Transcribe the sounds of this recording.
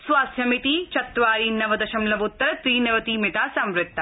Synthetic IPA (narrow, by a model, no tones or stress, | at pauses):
sʋaːst̪ʰjɐmit̪iːt͡ʃɐt̪ːʋaːɾiːnɐʋɐd̪ɐʃɐmlɐʋʊt̪ːɐɾɐt̪ɾiːnɐʋɐt̪iːmɪʈaːsɐmɾɪt̪ːɐ